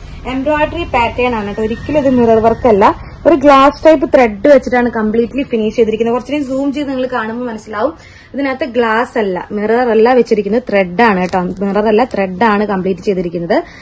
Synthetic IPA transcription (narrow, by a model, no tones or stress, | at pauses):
embroːjɖɐripaːʈːeːɳaːɳeʈːo̞ɾikʲːuliðɨmirɐrʋɐrkːɐlːɐ | o̞ɾuɡɭaːsʈɐjp̬ːɨt̪reɖːɨʋet͡ɕːiʈːaːɳɨkɐmpɭiːʈːlifiniːʂt͡ɕe̞jt̪iɾikʲːnɐkurɐt͡ɕːlinsuːmd͡ʑiːʋinɐŋːɐɭkaːɳumːomɐnɐsːilaːʋum | ɐðinaːt̪ːɨɡɭaːsɐlːɐ̰mirɐɐrelːaːʋet͡ɕːiɾikʲːunːɐðɨt̪reɖːaːɳeʈːmirɐrelːɐt̪reɖːaːɳɨkɐmpɭiːʈːɨt͡ɕe̞jt̪iɾikʲːunːɐðɨ